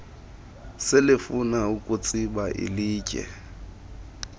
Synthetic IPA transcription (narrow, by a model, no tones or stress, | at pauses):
sɪlɪfunaukʼʊt͡sʼibaʔɪ̰liːcʼɛ̰